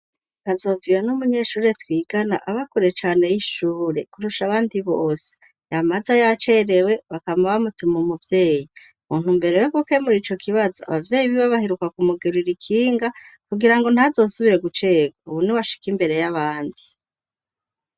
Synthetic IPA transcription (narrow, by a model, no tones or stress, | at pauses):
kazo̞ːviwanumuɲe̞ʃuːɾe̞twiːɡanaʔaβakuɾe̞t͡ʃaːne̞jiʃuːɾe̞kuɾuʃaβaːndiβoːse̥ | jamazajat͡ʃe̞ɾe̞we̞βakamawamutumumuvje̞ːji | umuːn̥umbe̞ɾeweɡuke̞muɾiːt͡ʃo̞kʰiβazoa̰βavje̞ːjiβiwaβaheɾukakumuɡeɾiɾikʰiːŋɡakuɡiɾaŋɡo̞n̥hazo̞ːsuβiɾe̞ɡut͡ʃe̞ːɡauβuniwaʃi̥kimbe̞ɾe̞jaβaːndi